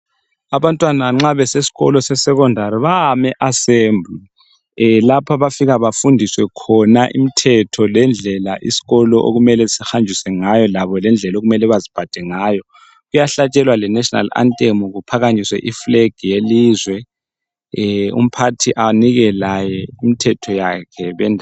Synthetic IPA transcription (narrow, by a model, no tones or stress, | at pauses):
aβantʼwanaŋ͡ǁaβɛsesi̥ɣɔlɔsɛsɛkɔndʱaɾiβaamɛʔaseːmbʱ | lapʰaβafiɣaβafundʱiswɛkʰɔnaʔḭmitʰɛtʰɔlɛnd͡ɮʱɛlaʔḭsi̥ɣɔlɔʔo̰ɣumɛlɛsixand͡ʒʱisɛŋajɔlaβɔlɛnd͡ɮʱɛloɣumɛlɛβazib̥ʱad̥ʱɛŋaːjɔ | ɣujaɬat͡ʃʼɛlwalɛnɛʃɔna̰la̰ntʼemuɣupʰaɣaɲiswɛ̰ʔifleɡ̥ʱijelizwɛ | ṵm̩pʰatʰiʔaniɣɛlajɛimitʰɛtʰɔjakʰɛβɛndʱa